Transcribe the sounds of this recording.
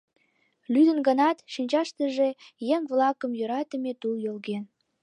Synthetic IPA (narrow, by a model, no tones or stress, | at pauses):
lyd̪ə̆nɡənɑt̪ʃinʲt͡ɕɑʃt̪əʒe̽jeŋβlɑkəmjøɾɑt̪ə̆met̪uljolɣen